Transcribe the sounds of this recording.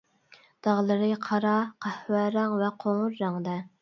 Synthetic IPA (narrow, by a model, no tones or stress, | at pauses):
d̪̥ɑʁlˠɨɾɨqʰɑɾɑqʰæhwæɾɑŋvɛqʰoŋʊɾːɑŋd̪ɛ